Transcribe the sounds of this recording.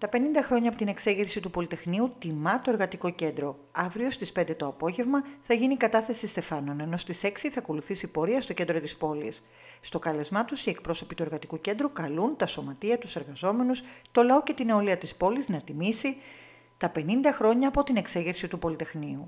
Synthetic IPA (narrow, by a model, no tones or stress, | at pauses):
t̪ɐpe̞nind̪ɐxɾo̞ɲɐpot̪ine̞kse̞ʝeɾsit̪upo̞lit̪e̞xniut̪imɐt̪o̞e̞ɾɣɐt̪iko̞ce̞nd̪ɾo̞ | ɐvɾio̞st̪ispe̞nd̪e̞t̪o̞ɐpo̞ʝe̞vmɐθɐʝinikɐt̪ɐθe̞sist̪e̞fɐno̞ne̞no̞st̪ise̞ksiθɐːko̞luθisipo̞ɾiɐst̪o̞ce̞nd̪ɾo̞t̪ispo̞lḭsː | t̪o̞kɐle̞zmɐt̪usie̞kpɾo̞so̞pit̪ue̞ɾɣɐt̪ikuce̞nd̪ɾukɐlunt̪ɐso̞mɐt̪iɐt̪use̞ɾɣɐzo̞me̞nust̪o̞lɐo̞ce̞t̪ineoliɐt̪ispo̞liznɐt̪imisi | t̪ɐpe̞nind̪ɐxɾo̞ɲɐːpo̞t̪ine̞kse̞ʝeɾsit̪upo̞lit̪e̞xniu